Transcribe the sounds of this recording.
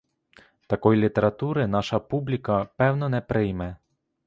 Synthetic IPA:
t̪ɐkɔjlʲit̪eɾɐt̪uɾɪnɑʃɐpublʲikɐpɛwnɔnɛpɾɪjmɛ

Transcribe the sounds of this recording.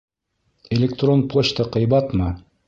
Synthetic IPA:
elʲek̚t̪ronpoɕt̪əqɤ̆jbɑt̪mɤ

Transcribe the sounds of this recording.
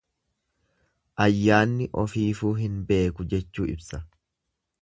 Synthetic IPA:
ʔɐjːaːnːɪʔɔfiːfuːɦɪnbe̞ːkʊd͡ʒɛt͡ʃːuːʔɪ̰bsɐ

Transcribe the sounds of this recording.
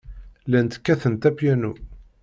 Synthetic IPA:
lænt̪kːæθənt̪æpjænu

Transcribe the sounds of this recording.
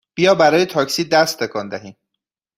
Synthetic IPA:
b̥ijɒːbæɾɒːjet̪ʰɒːcsiːd̪æst̪ʰːekʰɒːnd̪æɦiːm

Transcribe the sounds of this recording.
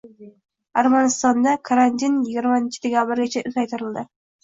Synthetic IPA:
aɾmanɪst̪ɒnd̪akʰaɾant̪ʰinjɪɡʲɪɾmaɪnt͡ʃʰɪd̪e̞kʲʰabɪɾɡʲat͡ʃʰaʔʊzajt̪ʰɪɾɪld̪ɪ

